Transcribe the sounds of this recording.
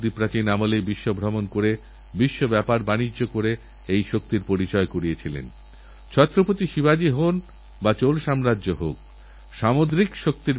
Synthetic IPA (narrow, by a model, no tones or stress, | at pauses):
d̪ipɾat͡ɕinamolebiʃːobʱɾɔmonkoɾe | biʃːobɛpaɾbanid͡ʑokoɾe | ejʃok̚t̪iɾpoɾit͡ɕɔekoɾiet͡ɕʰilḛn | t͡ɕʰɔt̪ːɾopot̪iʃibad͡ʑiɦon | bat͡ɕolʃamɾadːoɦok̚ | ʃamod̪ɾikʃok̚t̪iɾ